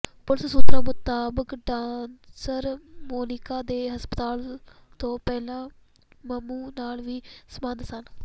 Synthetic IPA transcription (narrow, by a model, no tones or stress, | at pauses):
pʊlssuːt̪ɾãːmʊt̪aːbəkɖãːnsəɾmoːnɪkaːd̪eːɦəspət̪aːlt̪õːpɛːlãː | məmuːnaːlʋiːsəmãnd̪sən